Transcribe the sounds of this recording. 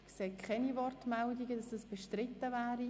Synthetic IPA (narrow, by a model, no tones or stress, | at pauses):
kseːkʰχɛnivɔrtmɛldiɡədɑsdɑsb̥ɛʃtrɪt̪ːəvæːɾi